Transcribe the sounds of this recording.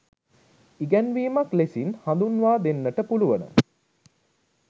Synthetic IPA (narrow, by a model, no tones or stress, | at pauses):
iɡɛnʋiːmaklesinhãnd̪unʋaːd̪enːəʈəpuluʋənə̰